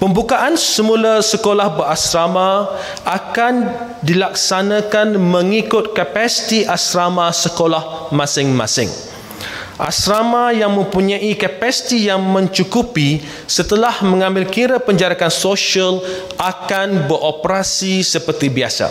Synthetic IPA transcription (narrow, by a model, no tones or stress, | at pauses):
pəmbukaʔansəmũlasəkolahbərasɾamã | ʔakan | dilaksanãkanmə̃ŋikʊt̪̚kapasi̥t̪iʔasɾamãsəkolahmãsɪŋmã̰sɪ̰ŋ | ʔa̰sɾamãjaŋmə̃mpuɲãʔikapasi̥t̪ijaŋmə̃ɲt͡ʃukupi | sət̪əlahmə̃ŋãmbɪlkiɾapəɲd͡ʒaɾakansoʃal | ʔakanbəɾʔopɾasisəpərt̪ibiasa̰